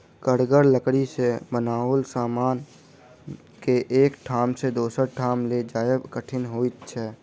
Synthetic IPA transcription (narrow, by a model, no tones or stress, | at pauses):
kəɽɡəɾləkɽisebənaːolsaːmaːn | keʔeːkʈʰaːmsed̪oːsəɾʈʰaːmled͡ʒaːjəbkəʈʰɪnɦoːit̪t͡ʃʰɛː